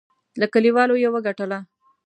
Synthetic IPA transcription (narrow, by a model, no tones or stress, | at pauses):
lakəliwɑlojewəɡaʈəla